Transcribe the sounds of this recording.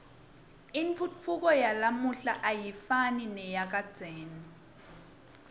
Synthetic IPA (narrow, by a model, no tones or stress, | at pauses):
iɱfʰuuk̬ʼɔjalamuɬaʔajifaninɛjak̬ʼad̥d͡z̥ʱɛːnɔ